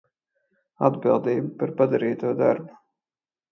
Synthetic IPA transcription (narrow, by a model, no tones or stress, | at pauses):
a̰d̪bilˠd̪iːbpaɾpad̪aɾiːt̪uɔd̪a̰ɾbu̥